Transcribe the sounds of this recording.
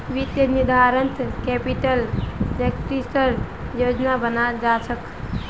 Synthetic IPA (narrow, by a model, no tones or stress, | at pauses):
ʋit̪jənid̪ʱaːɾənt̪kepiʈəlɖekʈɾisʈəɾjod͡ʒnabənad͡ʒat͡ʃʰək